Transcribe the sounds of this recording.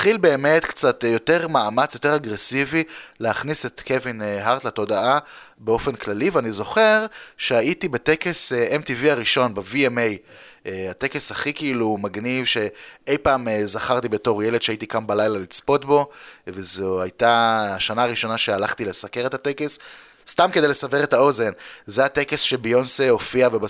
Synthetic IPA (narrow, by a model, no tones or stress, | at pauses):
χilbe̞ːme̞t̪kt͡satjo̞te̞ʁmaːmat͡sjo̞teʁaɡʁesivileaχniset̪kʰevineɦaʁt̪lato̞daa | beo̞fe̞nklaliveanizo̞χe̞ʁʃeaitibeteke̞seʔemtiviaʁiʃo̞nbeviemej | ate̞ke̞shaχikiilumaɡnivʃe̞e̞jpaːmezaχaʁt̪ibeto̞ʁje̞led̪ʃeait̪ikambalajlalit͡spo̞tbo̞vezoajtaːʃanaːʁiʃo̞naʃe̞alaχtile̞sake̞ʁe̞tat̪ekes | st̪amked̪ejlesaveʁe̞tao̞ze̞nzeat̪ekesʃebejonseofiaveba